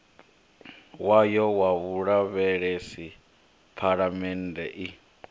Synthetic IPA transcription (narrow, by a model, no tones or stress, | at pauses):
wajɔwaβuɺaβɛɺɛsi | pʰaɺamɛnd̪ɛʔi